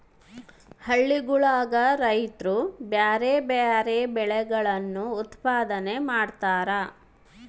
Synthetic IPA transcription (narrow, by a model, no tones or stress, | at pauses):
hɐɭːiɡuɭaːɡɐɾɐjt̪ɾubjaːɾeːbaɾeːbɛɭɛɡɐɭɐnːuːt̪paːd̪ɐnemaːɽt̪aːɾɐ